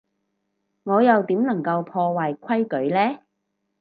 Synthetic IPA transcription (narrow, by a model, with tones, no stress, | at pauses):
ŋɔː˨˧jɐ˨wt̪iː˨˥mnɐ˨˩ŋkɐ˧wpʰɔː˧waː˨jkʷʰɐ˥jkɵ˨˥ɥlɛː˥